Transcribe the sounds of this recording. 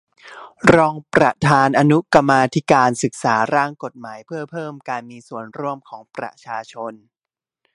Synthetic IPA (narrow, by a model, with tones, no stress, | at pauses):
ɾɔː˧ŋpɾa˧t̪ʰaː˧nʔa˧nu˦˥ka˧mːaː˧t̪ʰi˦˥kaː˧nsɯ˨˩k̚saː˩˦ɾaː˥˩ŋko˨˩t̪̚maː˩˦jpʰɯ˥˩ɐpʰɤː˥˩mkaː˧nmiː˧su˨˩ənɾu˥˩əmkʰɔː˩˦ŋpɾa̰˧t͡ɕʰaː˧t͡ɕʰo˧n